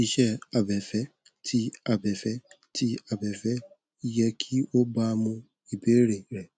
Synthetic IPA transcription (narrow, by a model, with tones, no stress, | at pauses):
i˦ʃɛ˦a˨bɛ˨fɛ˦ | tʰi˦a˨bɛ˨fɛ˦ | tʰi˦a˨bɛ˨fɛ˦ | jɛ˦kʰi˦o˦ba˦mʊ̃˦ | i˨be˦ɾe˨ɾe˨